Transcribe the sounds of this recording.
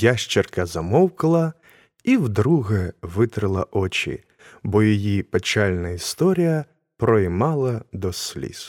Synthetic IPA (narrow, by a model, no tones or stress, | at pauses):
jaʃt͡ʃɪrkɐzɐmɔwkɐlˠɐ | iwd̪ɾuɣɛʋɪt̪ɾɪlˠɐʔɔt͡ʃḭ | bɔjɔjipet͡ʃalʲnɐist̪ɔɾʲijɐ | pɾɔjmɑlˠɐd̪ɔsʲlʲḭs